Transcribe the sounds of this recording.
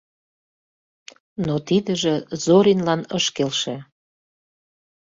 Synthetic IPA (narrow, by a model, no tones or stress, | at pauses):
not̪id̪əʒĕzoɾinlɑnəʃkelʃĕ